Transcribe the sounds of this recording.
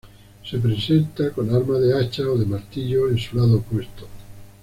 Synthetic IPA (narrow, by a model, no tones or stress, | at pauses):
se̞pɾesent̪akonaɾmaðeat͡ʃaoðemaɾt̪iʎoensulaðopwe̞st̪o